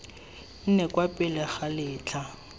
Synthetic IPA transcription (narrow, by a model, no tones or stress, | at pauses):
n̩nɛkʼwapʼɪlɛχalɪːt͡ɬʰa